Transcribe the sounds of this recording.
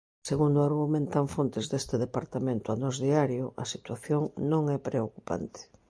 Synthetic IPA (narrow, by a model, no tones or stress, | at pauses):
seɣund̪oaɾɣumẽnt̪aɱfont̪ezðest̪eðepaɾt̪amẽnt̪ʊanɔzðiaɾjʊʔɐsit̪waθjoŋnõŋɛpɾeokupa̰nt̪e̥